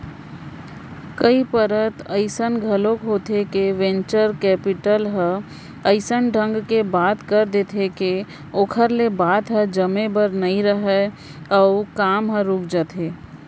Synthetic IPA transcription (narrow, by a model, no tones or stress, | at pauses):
kəipəɾət̪əɪsənɡʱəlõkɦoːt̪ʰekeʋẽːnt͡ʃəɾkɛːpɪʈəlɦə | əɪsənɖʱə̃ŋɡkebaːt̪kəɾd̪et̪ʰeke | oːkʰəɾlebaːt̪ɦə̃d͡ʒəmẽbəɾnɐĩɾəɦɛ | ɔʊkaːmɦə̃ɾuːkʰd͡ʒaːt̪ʰɦeː